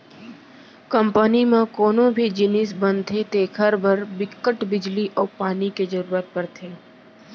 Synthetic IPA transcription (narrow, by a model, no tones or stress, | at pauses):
kəmpənimẽkoːnõbʱid͡ʒɪnɪsbə̃nt̪ʰet̪eːkʰəɾbʱəɾbɪkːəʈbɪd͡ʒliʔɔːpaːniked͡ʒəɾuːɾət̪̚pəɾt̪ʰeː